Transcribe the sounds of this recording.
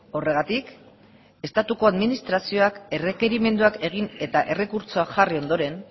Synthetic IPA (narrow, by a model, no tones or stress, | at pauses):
o̞re̞ɣ̞at̪ik | e̞st̪at̪uko̞aðminist̪ɾasio̞ake̞re̞ke̞ɾime̞nd̪uake̞ɣ̞ine̞t̪aʔe̞re̞kuɾt͡so̞akʝario̞nd̪o̞ɾe̞n